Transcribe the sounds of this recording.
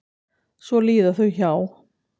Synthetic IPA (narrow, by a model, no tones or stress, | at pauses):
svɔliːðaθœɥçaw